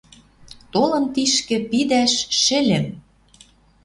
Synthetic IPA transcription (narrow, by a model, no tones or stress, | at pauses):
t̪olɤ̆mt̪iʃkɘ̆pid̪æʃːɘ̆lʲɘ̆m